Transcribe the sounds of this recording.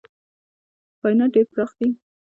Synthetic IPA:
pɑjnaɖeɾpɾɑxd̪i

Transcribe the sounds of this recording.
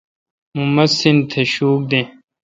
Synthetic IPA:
mumɐsint̪ʰeɕuːk̚d̪ẽː

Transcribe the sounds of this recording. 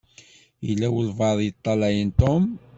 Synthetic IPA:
əlːæwəlvɑðˤjət̪ˤːɑlæjənt̪om

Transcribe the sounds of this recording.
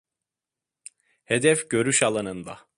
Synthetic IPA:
hed̪ɛfɟø̞ɾyʃalˠanɯnd̪a̰

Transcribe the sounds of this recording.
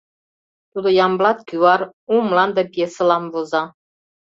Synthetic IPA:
t̪ud̪ŏjɑmblɑt̪kʲywɑɾ | umlɑnd̪ɑpʲiesɤ̆lɑmvozɑ

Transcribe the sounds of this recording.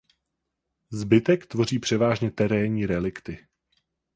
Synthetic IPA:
zbɪt̪ɛkt̪vo̞r̝iːpr̝̥ɛvaːʒɲɛt̪ɛɾɛːɲiːɾɛlɪkt̪ɪ

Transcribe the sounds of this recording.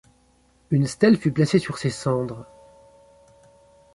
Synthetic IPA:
ynst̪ɛlfyplasesyʁsesɑ̃d̪ʁ

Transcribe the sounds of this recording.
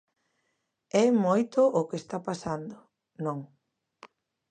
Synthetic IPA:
ɛmojt̪ʊʔʊkest̪apasand̪ʊ | nõŋ

